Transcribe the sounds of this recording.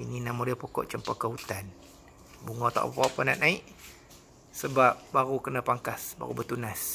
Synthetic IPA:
ininamodiəpokɔ̰ʔt͡ʃəmpakəɦut̪an | buŋɔt̪a̰ʔpopkɔʔpənaʔnaiʔ | səbap̚baɾukənapaŋkasba̰ɾṵbət̪unas

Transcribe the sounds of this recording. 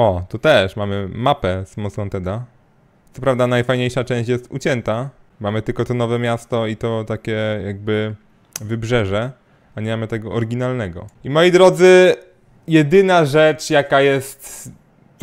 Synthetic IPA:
ɔt̪ɔt̪ɛʂmamɘmapɛsmɔsɔ̃nt̪ɛd̪a | t̪sɔpɾavd̪anajfajɲejʂat͡ʂɛ̃w̃ɕt͡ɕjɛst̪ut͡ɕɛnt̪amamɘt̪ɘlkɔt̪ɔnɔvɛmʲjast̪ɔit̪ɔt̪akʲɛjaɡ̚bɘ | vɘbʐɛʐɛ | aɲɛmamɘt̪ɛɡɔʔɔɾɡʲinalnɛɡɔ̰imɔjid̪ɾɔd̪zɘ | jɛd̪ɘnaʐɛt͡ʂjakajɛst̪

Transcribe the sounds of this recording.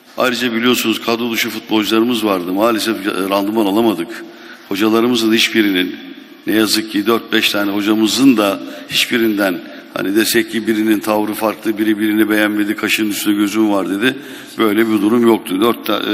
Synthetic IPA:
a̰jɾɯd͡ʒabilʲijo̞sunuz̥kʰad̪olˠuʃufut̪̚bo̞lˠd͡ʒɯlˠaɾɯmɯzvaɾd̪ɯmaːlʲesɛfɾand̪ɯmanalˠamad̪ɯk | ho̞d͡ʒalˠaɾɯmɯzɯnhit͡ʃbiɾininː | ɛjazɯk̚cʰid̪øɾt̪̚bɛʃt̪ʰaːnɛɦo̞d͡ʒamɯzɯnd̪ahit͡ʃbiɾind̪æn | ha̰nid̪ɛst̪ɛclʲibiɾinint̪ʰavɾɯfaɾklˠɯbiɾibiɾinibejænme̞d̪ikʰaʃɯnɯnyst̪ynɛɟø̞zymvaɾd̪e̞d̪ɪ | b̥ø̞jlʲɛbiɾd̪uɾumjok̚t̪ʰud̪øɾt̪ʰː

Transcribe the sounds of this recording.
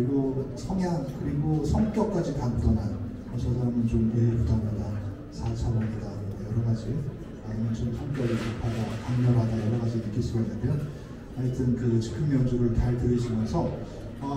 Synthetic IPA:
iɡosʰʌŋɦjaŋkɯɾiɡosʰʌŋk͈jʌk͈ad͡ʑikamtʰʌnan | ʌsʰʌsʰaɾamɯnt͡ɕomeipudaɡada | sʰat͡ɕʰabʌndadaojʌɾʌɡad͡ʑi | aɲimʌnt͡ɕomsʰʌŋkjʌɡikopʰadakaŋɲʌbɦadajʌɾʌɣad͡ʑinɯk͈iɭs͈uɡainːɯnjʌn | ʌɲet͈ɯnkɯt͡ɕi̥kʰɯŋmjʌnd͡ʑuɾɯɭt͡ɕaɭtɯɾid͡ʑimjʌnsʰʌ | ʌ

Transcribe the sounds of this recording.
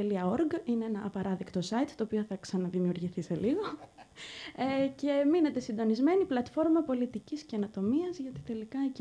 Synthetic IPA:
eliɐo̞ɾɡineenɐʔːpɐɾɐðikt̪o̞sɐit̪t̪o̞ːpio̞θɐksɐnɐðimiuɾʝiθise̞liɣo̞ | ece̞mine̞t̪e̞sind̪o̞nizme̞niplɐt̪fo̞ɾmɐpo̞lit̪icisceɐno̞t̪o̞miɐzʝɐt̪it̪elikɐe

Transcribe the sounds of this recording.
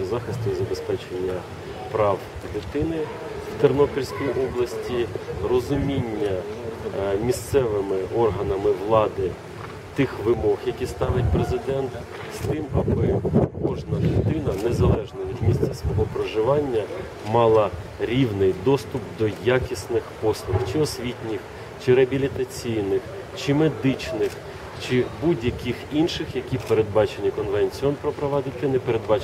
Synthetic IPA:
zɑxɪsʲtʲʊzɐbespɛt͡ʃenʲːɐ | pɾɑw | d̪ɪt̪ɪnɪ | wt̪ernɔpʲiɾʲsʲkijiʔɔblˠɐsʲtʲirɔzʊmʲinʲːɐ | mʲist̪sɛʋɪmɪʔɔrɦɐnɐmɪʋlˠɑd̪ɪ | t̪ɪxʋɪmɔɣjɐkʲist̪ɑʋɪt̚ʲpɾezɪd̪ɛnt̪ | st̪ɪmɐbɪkɔʒnɐɦt̪ɪnɐnezɐlˠɛʒnɐʋʲid̪mʲisʲt͡sʲɐsʋɔɦɔpɾɔʒɪʋɑnʲːɐ | mɑlˠɐ | ɾʲiwnɪjd̪ɔst̪ʊpd̪ɔjakʲisnɪxpɔslˠʊxt͡ʃɪɔsʲʋʲitʲnʲɪx | t͡ʃɪɾeɐbʲilʲit̪ɐt͡sʲijnɪx | t͡ʃɪmed̪ɪt͡ʃnɪx | t͡ʃɪbudʲjɐkʲixinʃɪxjɐkʲiwpeɾe̞d̪̚bɑt͡ʃenʲikɔnʋenʲt͡sʲiɔnpɾɔpɾɔʋɑd̪ɪt̪ɪnɛpeɾe̞d̪̚bɑ

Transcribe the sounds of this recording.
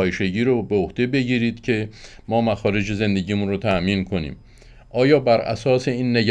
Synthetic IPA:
jeʃe̞ɟiːɾobeohd̪̥e̞be̞ɟiːɾiːd̪̥cʰe̞ | mɒːmæxɒːɾe̞d͡ʒeze̞nd̪e̞ɟiːmunrot̪ʰæʔmiːnkʰo̞nḭːm | ʔɒːjɒːbæɾʔæ̰sɒːse̞iːnːeɟ

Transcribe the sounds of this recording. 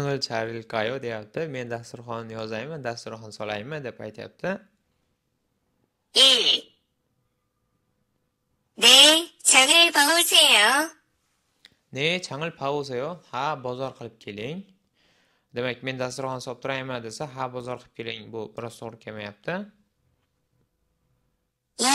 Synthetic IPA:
t͡ʃʰaŋɪlt͡ʃʰaɾɪlkʰajod̪e̞jap̚t̪ʰɪme̞nd̪ast̪ʊɾχɒnnːɪjɒzajmand̪ast̪ʊɾχɒnsɒlajmɪd̪e̞pajt̪ʰɪja̰p̚t̪ʰɪ | e | net͡ʃʰaŋɪlpʰavosajo | net͡ʃʰaŋɪlpʰavosajohabɒzɒɾqʰɨlˠɪp̚kʲʰe̞lɪŋ | d̪e̞mak̚ʲme̞nd̪ast̪ʊɾχɒnsɒp̚t̪ʰʊɾajmand̪e̞saɦabɒzɒɾqʰˠɨ̥p̚kʲʰe̞lɪŋbʊbɪɾɒz̥t̪ʰoʁɾɪkʲʰamajap̚t̪ʰɪ

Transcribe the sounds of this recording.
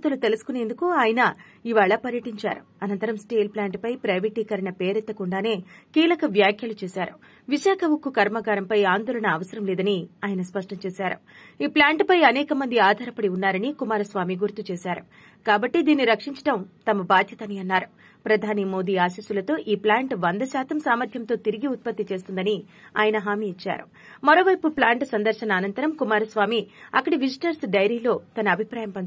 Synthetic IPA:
t̪ulut̪elusu̥kune̞ːnd̪ukuaːjɐnɐ | iʋaːɭɐpɐɾjɐʈiɲt͡ʃa̰ːɾuɐnɐnt̪ɐɾɐmsʈeːlplaːɳʈpɐjpɾɐjʋiʈiːkɐɾɐɳɐpeːɾɛt̪ːɐkuɳɖaːne̞ːkiːlɐkɐʋjaːkʰjɐlut͡ʃeːsaːɾu | ʋiʃaːkʰɐmukːukɐɾmɐɡaːɾɐmpɐjaːnd̪ɔːlɐɳɐːʋɐsɐɾɐmlɛːd̪ɐniaːjɐnɐspɐʂʈɐmt͡ʃeːsaːɾṵ | iːplaːɳʈpɐjɐnɛːkɐmɐnd̪iaːd̪ʱaːɾɐpɐɽiunːaːɾɐnikumaːɾɐsʋaːmiɡuɾt̪ut͡ʃeːsaːɾu | kaːbɐʈːid̪iːnːiɾɐkʂiɲt͡ʃɐ̥ʈɐmt̪ɐmɐbaːd̪ʱjɐt̪ɐniɐnːaːɾu | pɾɐd̪ʱaːnimo̞ːd̪iːaːsisulɐt̪o̞ːʔiːplaːɳʈʋɐnd̪ɐsaːt̪ɐmsaːmɐɾt̪ʰjɐmt̪o̞ːt̪iɾiɡiut̪̚pɐt̪ːit͡ʃe̞ːst̪und̪ɐni | a̰ːjɐnɐɦaːmiːt͡ʃːa̰ːɾṵ | mɐɾo̞ːʋɐjpuplaːɳʈsɐnd̪ɐɾʃɐnɐːnɐnt̪ɐɾɐmkumaːɾɐsʋaːmiɐkːɐɽiʋid͡ʒiʈɐɾsɖɐjɾiːlo̞ːt̪ɐnɐːbʱipɾaːjɐmpɐn

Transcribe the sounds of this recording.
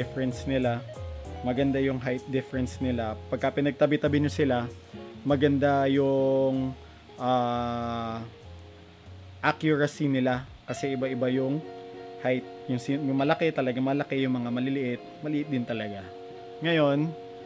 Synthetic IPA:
fɹɛnsnɪlamɐɡɐnd̪ajʊŋɦajt̪̚d̪ɪfɛɹɛnsnɪlapɐɡ̚kɐpɪnɐɡ̚t̪ɐbɪt̪ɐbɪɲosɪla | mɐɡɐnd̪ajʊŋ | ʔaː | ʔakjʊɹɐsinɪla | kɐsɛʔɪbaʔɪbajʊŋhajt̪̚jʊŋsijʊmɐlɐkɛt̪ɐlɐɡamɐlɐkɛjʊŋmɐŋamɐlɪlɪʔɪt̪̚mɐlɪʔɪt̪̚d̪ɪnt̪ɐlɐɡa | ŋɐjo̞n

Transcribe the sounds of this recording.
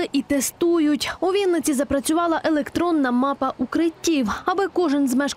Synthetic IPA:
ɪʔit̪est̪ujʊtʲʊʋʲinnɪt͡sʲizɐpɾɐt͡sʲʊʋɑlˠɐʔelˠekt̪ɾɔnːɐmɑpɐʔukɾɪtʲːiwɐbɪkɔʒɪnzmɛʃ

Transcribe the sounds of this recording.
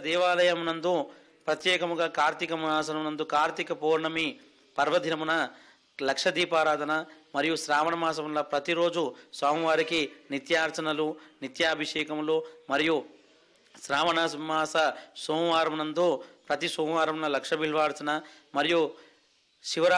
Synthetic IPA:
d̪ɛːʋaːlɐjɐmnɐnd̪o | pɾɐt̪jɛːkɐmuɡaːkaːɾt̪ikɐmaːs̬ɐnɐmnɐnd̪ukaːɾt̪ikɐpuːɾɳɐmi | pɐɾʋɐd̪ʱinɐmunɐ | lɐkʂɐd̪iːpaːɾaːd̪ʱɐnɐmɐɾijuʃɾaːʋɐɳɐmaːs̬ɐmnɐpɾɐt̪iɾo̞ːd͡ʒusʋaːmɐʋaːɾikinit̪jaːɾt͡ʃɐnɐlunit̪jaːbʱiʂɛːkɐmloːmɐɾiju | ʃɾaːʋɐɳɐmaːsɐsoːmʋaːɾɐmnɐnd̪oːpɾɐt̪isuːmʋaːɾɐmnɐlɐkʂɐbiɭʋaːɾt͡ʃɐnɐmɐɾiju | ʃiʋɐɾ

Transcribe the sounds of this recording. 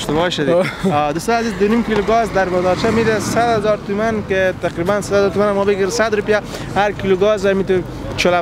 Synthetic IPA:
ʃt̪bɔʃad̪ɔd̪ust̪ɔjazizd̪ʊnimkiluɡɔzd̪aɾbad̪ɔɾt͡ʃʰamid̪esad̪hazɔɾt̪umanket̪aqɾibansad̪azɔɾt̪umanamɔbeɡiɾsad̪ɾupija | haɾkiluɡɔzamit̪u | t͡ʃola

